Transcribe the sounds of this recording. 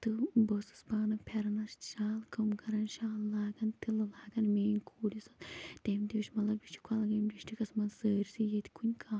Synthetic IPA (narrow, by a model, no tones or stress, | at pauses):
t̪ɨbɐsɨ̥sbaːnɐpʰeɾɐnɐsʃaːlkɐmkɐɾɐnʃaːlːaːɡɐnt̪ilɨlaːɡɐnmeːnʲkʰoːlʲisɐt̪ʲeːmʲt̪eːʃmɐlɐbit͡ʃʰi̥kʰɐlɡɐmd͡ʒiʃʈʰikɐsmɐnsəːɾʲsijet̪ʰʲi̥kʰunʲkʰaː